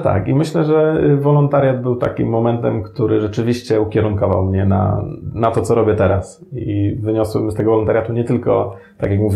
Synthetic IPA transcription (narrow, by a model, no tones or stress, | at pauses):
t̪a̰kimɘɕlɛʐɛvɔlɔnt̪aɾʲjad̪bɘwt̪a̰kʲimːɔmɛnt̪ɛmkt̪uɾɘʐɛt͡ʂɘvʲiɕt͡ɕɛukʲjɛɾuŋkɔva̰wmɲɛna̰nat̪ɔt̪sɔɾɔbʲjɛt̪ɛɾas | ivɘɲɔswɛmst̪ɛɡɔvɔlɔnt̪aɾʲjat̪uɲɛt̪ɘlkɔ̰t̪a̰kjakmuvʲ